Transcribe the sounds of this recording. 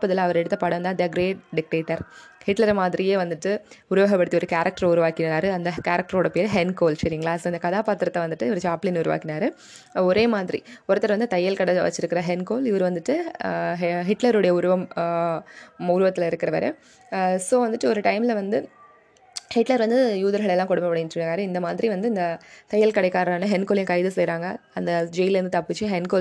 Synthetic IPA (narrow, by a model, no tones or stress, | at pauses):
pːɐðɪlãɐʋɐɾɛɽɯt̪ːɐpaːɽɐʋɐnd̪aɐnd̪ɐɡɾeːɖɖɪk̚ʈeːʈːɐɾhɪʈlɐɾmaːðɪɾɪjeːʋɐnd̪ɯʈːɯʊɾʊʋɐɣɐpːɐɽɯt̪ːiɔɾɯkaːɾɐk̚ʈɐɾʊɾɯʋaːkɪnaːɾɯɐnd̪ɐkaːɾɐk̚ʈɐɾoːɽɐpeːɾɦɛnkoːlsɐɾɪŋɡɐɭaːsɐɪnd̪ɐkɐðaːpaːt̪ːɪɾɐt̪ːɐʋɐnd̪ɯʈːɯʋɐɾɯt͡ʃaːpliːnʊɾʊʋa̰ːkːɪnaːɾɯ | ɔɾeːmaːðɪɾḭɔɾɯt̪ːɐɾʋɐnd̪ɯt̪ɐjːɐlkɐɽɐʋɐ̰t͡ʃːɪɾɯkːɪɾɐɦɛnkoːlɪʋɐɾɯʋɐnd̪ɯʈːɯ | ɦɪʈlɐɾɯɽɐjɐʊɾʊʋɐm | ʊɾʊʋɐt̪ːɪlɐɪɾɯkːɪɾɐʋɐ̰ɾḛ | soːʋɐnd̪ɯʈːɯɔɾɯʈɐɪmlɐʋɐnd̪ɯ | hɪʈlɐɾʋɐnd̪ɯjuːðɐɾɣɐɭɛlːãːkɔɽɯmbɐpːɐɽɪnɾkaːɾɯɪnd̪ɐmaːðɪɾiʋɐnd̪ɯɪnd̪ɐt̪ɐjːɐlkɐɽɐɪkːaːɾnɯɦɛnkoːlɪ̃kɐɪðɯsɛjɾaːŋɡɐɐnd̪ɐd͡ʒɛjɪlɾɯnd̪ɯt̪ɐpːɪt͡ʃːɯɦɛnkoː